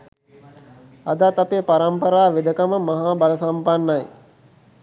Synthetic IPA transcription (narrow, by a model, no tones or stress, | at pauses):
ad̪at̪apeːpaɾampəɾaːʋed̪əkaməmaɦaːbaləsampanːaj